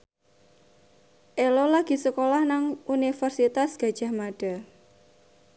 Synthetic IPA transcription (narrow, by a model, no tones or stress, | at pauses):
ʔelɔlaɡ̥i̤səkolahnaŋunifərsit̪asɡ̥a̤d̥ʒ̥ahmaɖ̥a